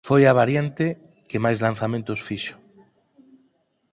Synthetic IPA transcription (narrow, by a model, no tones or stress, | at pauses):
fojaβ̞aɾjant̪e | kemajzlan̟θamẽnt̪osfiʃo̥